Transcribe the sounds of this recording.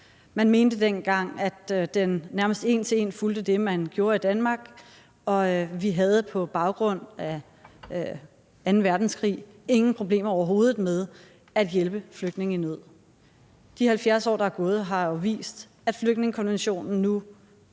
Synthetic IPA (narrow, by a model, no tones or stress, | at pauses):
mænme̝ːnd̥əd̥enɡ̥ɑ̈ŋ̰æd̥d̥enːæɐməsd̥e̝̰ːnt͡sʰe̝e̝̰nfuld̥əd̥e̝mænɡ̥jo̝ːɐid̥ænmɑ̈ːɡ̥ | ɒ̽ʋiɦæð̞̩ˠəpʰɒ̽b̥ɑ̈ʊɡ̥ʁɔ̽n̰æ | ænn̩ʋæɐd̥n̩skʰʁḭː | e̝ŋn̩pʰʁo̝b̥le̝̰ːmɐɒʊɐɦo̝ːð̞ˠð̩ˠmeðˠ | æd̥jelb̥əfløɡ̥d̥ne̝ŋinøð̞̰ˠ | d̥ihælfjæɐsɒ̰ːd̥ɑæɡ̥ɔ̽ːð̞̩ˠɦɑ̈joʋḭːsd̥ | æd̥fløɡ̥dne̝ŋəkʰɒ̽nʋenɕo̝̰ːnn̩nu